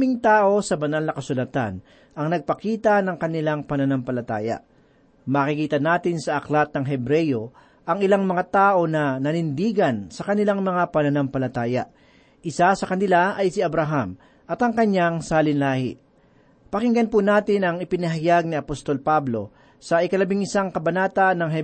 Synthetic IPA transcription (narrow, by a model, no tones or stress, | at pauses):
mɪŋt̪aːʔo̞sɐbɐnalnɐkɐsʊlɐat̪a̰n | ʔɐŋnɐɡ̚pɐkiːt̪ɐnɐŋkɐnɪlaŋpɐnɐnampɐlɐt̪aːjɐ̰ | mɐkɪkiːt̪ɐnaːt̪ɪnsɐʔɐklat̪̚nɐŋɦɛbɾɛjo̞ | ʔɐŋɪlaŋmɐŋat̪aːʔo̞nɐnɐnɪnd̪iːɡɐnsɐkɐnɪlaŋmɐŋapɐnɐnampɐlɐt̪aːjɐ̰ | ʔɪsasɐkɐnɪlaʔɐjsɪɐbɾaɦam | ʔɐt̪ɐŋkɐɲaŋsaːlɪnlaːhɪ̰ | pɐkɪŋɡɐnpunaːt̪ɪnɐŋɪpɪnɐɦɐjaɡ̚nɪɐpost̪o̞lpablo̞ | sɐʔɪkɐlɐbɪŋɪsaŋkɐbɐnaːt̪anɐŋɦɛ